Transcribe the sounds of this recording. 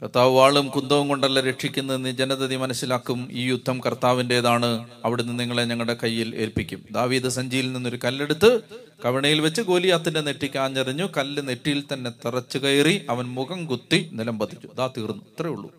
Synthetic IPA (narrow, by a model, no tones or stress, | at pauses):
kɐrt̪ːaːʋɨʋaːɭumkund̪ɐʋumko̞ɳɖɐlːɐɾe̞ʈʂikʲːunːɐðenɨd͡ʑenɐðɐðimɐnɐsːilaːkːumiːjud̪ʱːɐmkɐrt̪aːʋinde̞ːðaːɳɨ | ɐʋiɽenːɨniŋːɐɭeɲɐŋːɐɭɽe̞kɐjːile̞̰ːlpikʲːumd̪aːʋiːðɨsɐɲd͡ʑiːilninːo̞ɾukɐlːe̞ɽut̪ːɨ | kɐʋiɳɐjilʋet͡ɕːɨɡo̞ːlijaːt̪ːinde̞ne̞ʈːikʲːaːɲːɐriɲːukɐlːɨne̞ʈːijilt̪ɐnːe̞t̪irɐt͡ɕːukɐjriɐʋɐnmuɣɐmɡut̪ːinilɐmbɐt̪ːit͡ɕːu̥ðaːt̪iːrnːuɐt̪ːrejuɭːṵ